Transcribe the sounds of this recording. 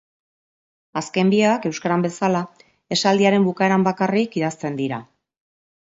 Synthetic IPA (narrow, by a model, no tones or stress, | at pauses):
aske̞mbieake̞wskaɾambe̞sala | e̞sald̪iaɾe̞mbukaeɾambakarikiðast̪e̞nd̪iɾa